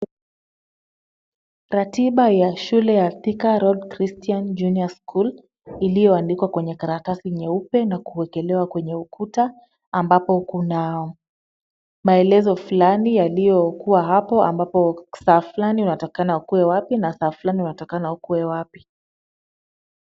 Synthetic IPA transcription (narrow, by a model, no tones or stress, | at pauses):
ɾatiɓajaʃulɛjaθikaɾɔdkɾistiand͡ʒuniaskʰul | ilijɔandikwakwɛɲɛkaɾakasiɲɛupɛnakuwɛkɛlɛwakwɛɲɛukʰuta | ambapɔkunaɔ | maɛlɛzɔfulanijalijɔkuwaɦapɔambapɔsaːflaniunatɔkanaukuwɛwapinasaːfulaniunatɔkanaukuwɛwapi̥